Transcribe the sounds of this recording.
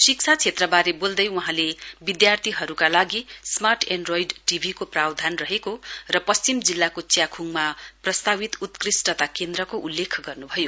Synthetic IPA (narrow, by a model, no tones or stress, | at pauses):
sik̚t͡sʰat͡sʰet̪rʌbaɾebold̪ʌjwuɦãlebid̪jart̪ʰiɦʌɾukalaɡismarʈʰeɳɖrojɖʈibʱikoprawd̪ʱanrʌɦekorʌpʌst͡simd͡zilːakot͡sjakʰuŋmaprʌst̪abit̪ut̪krisʈʌt̪akend̪ɾʌkoʔulːekʰɡʌrnubʱʌjo